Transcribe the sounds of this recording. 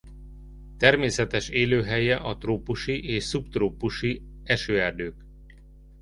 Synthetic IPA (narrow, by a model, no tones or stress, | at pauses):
t̪ɛrmeːsɛt̪ɛʃeːløːɦɛjɛʔɒt̪roːpuʃiʔeːʃsubt̪roːpuʃiɛʃøːɛrd̪øːk